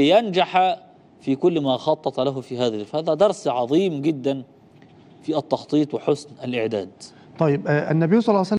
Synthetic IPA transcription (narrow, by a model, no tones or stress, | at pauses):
ɪjand͡ʒaħa | fiːkʊlːmaːxɑt̪ˤːɑt̪ˤlaɦʊfiːɦaːðælfhaːðæd̪ɑɾˤsʕɑðˤiːmɡɪd̪ːan | fiːɑt̪ːɑxt̪ˤiːt̪ˤwɪħʊsnalʔɪʕd̪aːd̪ | t̪ˤɑjːɪbʔænːæbijsˤɑlːɑsalː